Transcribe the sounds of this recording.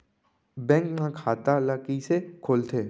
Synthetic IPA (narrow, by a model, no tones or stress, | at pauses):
bɛ̃ːŋknãkʰaːt̪alakisekʰoːlt̪ʰeː